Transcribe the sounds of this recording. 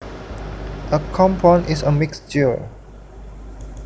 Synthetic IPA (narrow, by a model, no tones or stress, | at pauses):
ʔəkʰɔ̃mpʰɔ̃nʔɪsəmɪksd͡ʒi